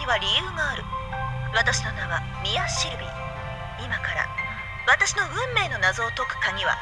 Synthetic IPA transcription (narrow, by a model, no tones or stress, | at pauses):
iβaɾʲijɯːŋaːɾɯ̟βat̪aɕi̥nonaβa | mʲijaɕiɾɯ̟mʲiɲ | imakaɾa̰ | βat̪aɕino̞bɯ̟̃mːe̞ːno̞nazo̞ːt̪o̞kɯ̥kaɡʲiβa̰